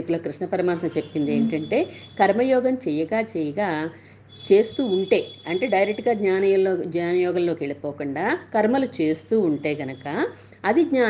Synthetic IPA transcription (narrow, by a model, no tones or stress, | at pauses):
t̪uloːkɾiʂɳɐpɐɾɐmaːt̪ɐnɐt͡ʃe̞pːind̪e̞ːɳʈɐɳʈe̞ːkɐɾmɐjɔːɡɐmt͡ʃɛjɐɡaːt͡ʃɛjɐɡaː | t͡ʃe̞ːst̪uːuɳʈe̞ːɐɳʈe̞ːɖɐjɾek̚ʈːɡaːɡɲaːnɐoɡɲaːnɐjɔːɡɐmlo̞ːkeɭipɔːkuɳɖaːkɐɾmɐlut͡ʃe̞ːst̪uːuɳʈe̞ːɡɐnɐkɐ | ɐd̪iɡɲaː